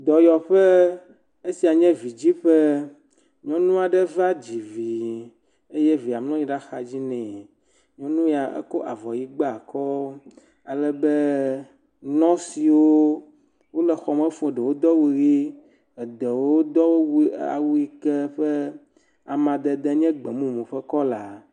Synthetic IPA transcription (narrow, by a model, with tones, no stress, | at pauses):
d̪ɔ˨jɔ˨ɸɛ˦ | e˦si˨a˨ɲɛ̃˦vi˨d͡ʑi˦ɸɛ˦ | ɲɔ̃˦nũ˦a˨ɖɛ˦va˦d͡ʑi˨vi˨ | e˦jɛ˦vi˨a˨mlɔ̃˦ĩ˦ɖa˦xa˨d͡ʑi˦nɛ̃˨ | ɲ˦ɔ̃˦nũ˦ja˨ḛ˦ko˦ʔa˨vɔ˨ji˦ɡ͡ba˦a˨kɔ˦ | a˨lɛ˦bɛ˦ | nɔ̃˦si˨wo˦ | wo˦lɛ˨xɔ˨mɛ˦fõ˦˨ɖɛ˨wo˦d̪ɔ˦wu˨ɣi˦ | ɛ˨d̪ɛ˨wo˦d̪ɔ˦wo˦wa̰˨wu˦i˦kɛ˦ɸɛ˦ | a˨mã˨d̪ɛ˨d̪ɛ˦ɲɛ̃˦ɡ͡bɛ˨mũ˦mũ˨ɸɛ˦kɔ˦la˨